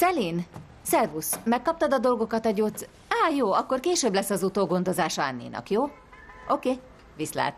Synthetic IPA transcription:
sɛliːn | sɛrvusmɛkːɒp̚t̪ɒd̪ɒd̪o̞lɡo̞kɒt̪ɒɟos | aːjoːɒkːo̞rkeːʃøːblɛsːɒzut̪oːɡo̞nd̪o̞zaːʃɒanːḭːnʔɒ̰kjoː | ʔo̞keː | visla̰ːt̪

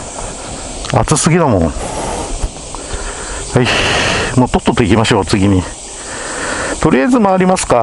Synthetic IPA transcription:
a̰t͡sɨsɨɡʲid̪amõ̰ | haimoːt̪ot̪ːot̪ːoikʲimaɕo̞ːt͡sɨɡʲiɲ̟i | t̪o̞ɾʲijajzɨmaːɾʲimasɨ̥ka

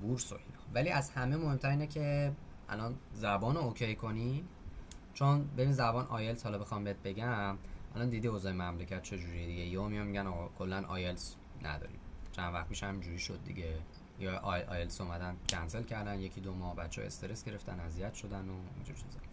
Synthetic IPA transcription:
buɾso̞̰ʔinɒːvæliʔæzhæmemohe̞mt̪ʰæɾiːnecʰe̞ | ʔæ̰lɒnzæbɒːnoocʰejkʰo̞ni | t͡ʃʰonbe̞biːnzæbɒːnʔɒːjelshɒlɒbexɒmbeet̪̚beɟæmʔælɒnd̪id̪iːozɒːjemæmlecʰæt̪̚t͡ʃʰe̞d͡ʒuɾijed̪iɟeiomijɒnmiɟænɒɣɒkʰolːænʔɒ̰ːjels | nʔæ̰d̪ɒ̰ːɾḭ̥t͡ʃʰænvæxt̪̚piːʃhæmind͡ʒuɾiʃo̞d̪̚ːḭɟe | jɒʔʔɒjelsomæd̪æncʰænse̞lcʰæɾd̪ænje̞cʰid̪omɒːbæt̪t͡ʃʰːeɒ̰e̞̰st̪e̞ɾesɡ̥e̞ɾe̞ft̪æ̰nːæzijæt̪ʃo̞d̪ænoḭnd͡ʒuɾit͡ʃʰezɒ

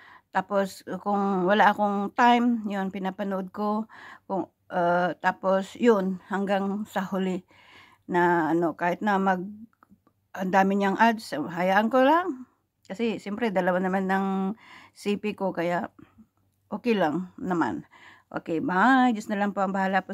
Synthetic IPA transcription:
t̪aːposkʊŋwɐlaʔɐkoŋt̪ajmjonpɪnapɐnʊʔod̪̚kokʊŋ | ʔat̪aːposjonhɐŋɡaŋsɐhʊlɪ | nɐʔɐno̞kaːhɪt̪̚nɐmɐɡ̚ | ʔɐnd̪aːmɪɲaŋʔad͡ʒsɦɐjaːʔɐnkolaŋ | kɐsɛʃjɛmpɾɛd̪ɐlɐwanɐmanːɐŋ | sipɪkokɐjaʔ | ʔoːkɛjlaŋnɐma̰nʔo̰kɛjmajd͡ʒʊsnɐlaŋpoʔɐŋbɐhaːlaʔpo

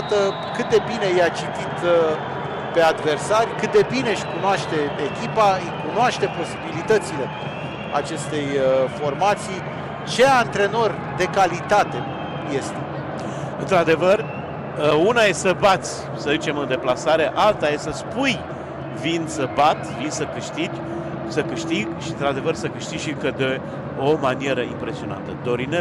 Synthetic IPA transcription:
t̪ə | kɨt̪̚d̪e̞bine̞jat͡ʃit̪it̪ | pe̞ad̪ve̞rsarʲjkɨt̪̚d̪e̞bineʃʲkunoaʃt̪e̞ekʲipaɨjkunoaʃt̪e̞po̞sibilit̪ət̪sile̞ | a̰t͡ʃe̞st̪e̞jfo̞rmat̪sij | t͡ʃe̞ant̪ɾe̞no̞rʲ | d̪e̞kalit̪at̪e̞ | je̞st̪e̞ | ɨnt̪ɾad̪e̞vər | unajessəbat̪sʲ | səzit͡ʃe̞mɨnd̪e̞plasaɾe̞ʔalt̪ajesəspuj | vinsəbat̪vinsəkɨʃt̪id͡ʒʲ | səkɨʃt̪iɡʃiɨnt̪ɾad̪e̞vərsəkɨʃt̪iɡʃiɡkəd̪e | o̞manie̞ɾəimpɾe̞sio̞na̰nt̪əd̪o̞ɾine

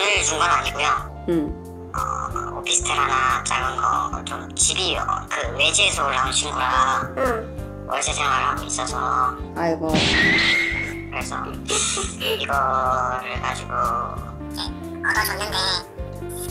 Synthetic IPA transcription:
nɯɭt͡ɕuŋɡanaɲiɡojo | ʌ̰opʰisʰtʰɯɾɦanat͡ɕ͈a̰ɡɯnɡʌ̰t͡ɕomt͡ɕibiʌkɯwe̞d͡ʑːsʰoɯɭaŋɕʰiŋɡoɾa | wʌ̰ɭsʰesʰeŋwaɯɭhaɡois͈ʌsʰʌ̰ | aɡo | kɯɾe̞sʰʌ̰ | iɡʌɾɯɭkad͡ʑiɡo | ne | anad͡ʑʌnːɯnde

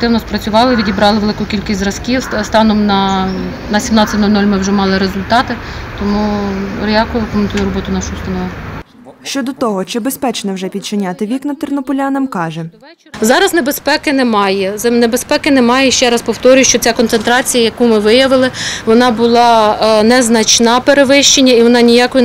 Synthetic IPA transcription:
kt̪ɪwnɔspɾɐt͡sʲʊʋɑlˠɪʋʲidʲibɾɑlˠɪʋelˠɪkʊkʲilʲkʲisʲzrɐskʲist̪ɑnɔmnɐ | nɐsʲimnɑtʲt͡sʲːɐtʲnɔlʲnɔlʲmɪwʒɛmɑlˠɪɾezʊlʲt̪ɑt̪ɪt̪ɔmuɾʲjɑkʊʊkɔment̪ujʊɾɔbɔt̪ʊnɑʃʊʊst̪ɐnɔʋ | ʃt͡ʃɔd̪ɔt̪ɔɦɔt͡ʃɪbespɛt͡ʃnɛwʒɛpʲid̪̚t͡ʃɪnʲat̪ɪʋʲiknɐt̪ɪrnɔpɔlʲanɐmkɑʒɛ | zɑɾɐznebespɛkɪnɛmɑjɛnebespɛkɪnemɑjɛʃt͡ʃɛɾɐspɔwt̪ɔɾʲʊjʊʃt͡ʃɔt͡sʲakɔnt̪sent̪ɾɑt͡sʲijɐjɐkumɪʋɪjɐʋɪlˠɪʋɔnɑbʊlˠɑnɛznɐt͡ʃnɑpeɾeʋɪʃt͡ʃenʲːɐiʋɔnɑnʲijɑkɔjʊ

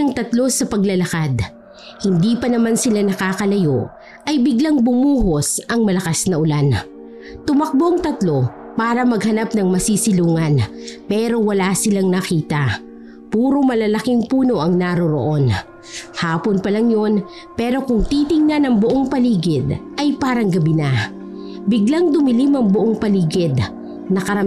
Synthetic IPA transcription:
ɐŋt̪ɐt̪lo̞sɐpɐɡlɐlɐkad̪ | hɪnd̪iːpɐnɐmansɪlanɐkaːkɐlɐjo̞ʔ | ʔɐjbɪɡlaŋbʊmuːɦo̞sʔɐŋmɐlɐkasnɐʔʊlan | t̪ʊmɐk̚boɐŋt̪ɐt̪lo̞ | paːɾɐmɐɡ̚hɐnapnɐŋmɐsisɪluːŋɐnpɛːɾo̞wɐlaːsɪlaŋnɐkiːt̪ɐ | puːɾo̞mɐlalɐkɪŋpuːno̞ʔɐŋnaɾoɾo̰ʔo̞n | haːpo̞npɐlɐŋjo̞n | pɛːɾo̞kʊŋt̪it̪ɪŋnɐnɐŋbʊʔoŋpɐliːɡɪd̪ʔɐjpaːɾɐŋɡɐbina | bɪɡlaŋd̪ʊmɪlimɐŋbʊʔoŋpɐliːɡɪd̪ | nɐkɐɾɐm

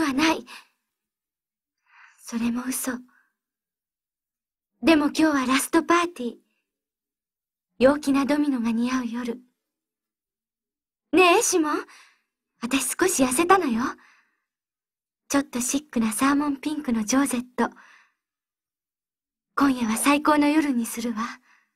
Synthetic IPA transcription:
βanai | so̞ɾe̞mo̞ɯ̟so̞ | d̪e̞mo̞kʲo̞ːβaɾasɨ̥t̪o̞paːt̪ʲiː | jo̞ːkʲinad̪o̞mʲino̞ɡaɲ̟iaɯ̟jo̞ɾɯ̟ | ne̞ɕimõ̞ŋ | βat̪aɕi̥sɨ̥ko̞ɕijase̞t̪ano̞jo̞ | t͡ɕo̞t̪ːo̞ɕikːɯ̟nasaːmõ̞mpʲĩŋkɯ̟no̞d͡ʑo̞ːze̞t̪ːo̞ | kõ̞ɰ̃jaβasaiko̞ːno̞jo̞ɾɯ̟ɲ̟isɨɾɯ̟βa

